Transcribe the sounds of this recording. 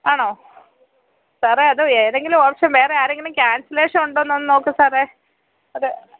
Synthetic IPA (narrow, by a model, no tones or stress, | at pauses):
aːɳoː | saːreɐðɨeːðeŋɡilumɐpʂemʋe̞ːreaːɾeŋɡilumkʲaːnsɐleːʂɐmuɳɖoːnːonːɨno̞ːkːɨsaːreː | oɾɨ